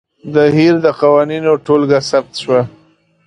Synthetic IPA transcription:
d̪əɦiɾd̪əqawaninoʈolɡasab̚t̪ʃwa

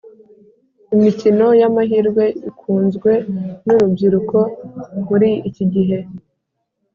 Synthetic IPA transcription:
imicino̞jamaɦiːɾɡwe̞ikʰuːnzɡwe̞nuɾubɟiɾuko̞muɾiiciɟiɦe̞

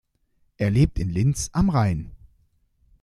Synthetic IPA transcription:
ʔeːɐleːp̚tʰɪnlɪnt͡sʔamʁaɪn

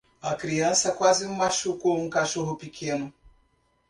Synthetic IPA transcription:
ɐkɾiɐ̃sɐkwazɪ̃maʃukoũkaʃoɦʊpikʰẽnʊ

